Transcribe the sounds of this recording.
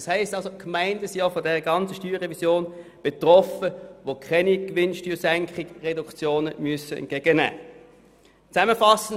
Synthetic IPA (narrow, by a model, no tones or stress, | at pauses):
shɛɪstɑlsokʰmaɪndəsiɔfodɛʁəɡɑnt͡səʃtyːʁɛvisjoːnb̥etʁɔfəʋokʰɛniɡ̥ʋɪnʃtyːɐsæŋkχɪɡʁɛdukt͡sjoːnəmyəsəɛ̰nɡ̥eɡ̥ənæ̰ː | t͡sæməfɑsən̩